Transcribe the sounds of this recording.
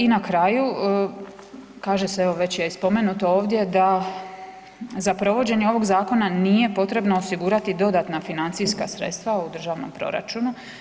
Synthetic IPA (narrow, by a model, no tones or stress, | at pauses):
inakɾaju | kaːʒeseeʋo̞ʋe̞t͡ɕjespo̞me̞nut̪oo̞ːʋd̪je̞d̪a | zapɾo̞ʋo̞d͡ʑe̞ɲeo̞ʋo̞ɡzaːko̞nanije̞po̞t̪ɾe̞bnoosiɡuɾat̪id̪o̞d̪at̪nafinant̪sijskasɾet̪st̪ʋaud̪r̩ʒaːʋno̞̰mpɾo̞̰ɾa̰t͡ʃunu